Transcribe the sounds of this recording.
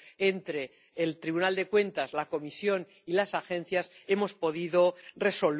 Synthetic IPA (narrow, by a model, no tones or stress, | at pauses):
ent̪ɾe̞ː | lt̪ɾiβunald̪e̞kwe̞nt̪azlako̞misjo̞n | ilasaxẽ̞n̟θjase̞mo̞spo̞ð̞iðo̞re̞so̞l